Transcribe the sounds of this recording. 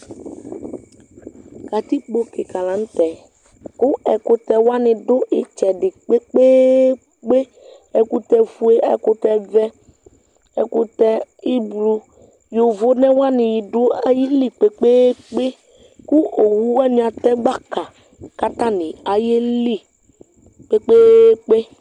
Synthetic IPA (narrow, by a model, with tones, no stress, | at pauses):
ka˨t̪i˦k͡po˦ke˨ka˨lã˨˦ŋ˦t̪ɛ˨ | ku˦ɛ˨kʊ˦t̪ɛ˨wa˦nɪ̃˨ɖʊ˦ʔe˨t͡ʃɛ˨ɖɪ˨k͡pe˦k͡pe˦ | k͡pe˦ | ɛ˨ku˦t̪ɛ˨fu˦e˦ɛ̰˨kʊ˦t̪ɛ˦vɛ˦ | ɛ˨ku˦t̪ɛ˦i˦blu˦ | jo˨vo˦nɛ̃˦wa˦nɪ̃˨ji˨ɖo˦a˨ji˦li˦k͡pe˨k͡pe˦k͡pe˦ | ku˦o˨wu˦wa˦nũ˨˦a˨t̪ɛ˦ɡ͡ba˦ka˨ | ka˦t̪ã˦nɪ̃˨a˨je˦li˦ | k͡pe˦k͡pe˦k͡pe˦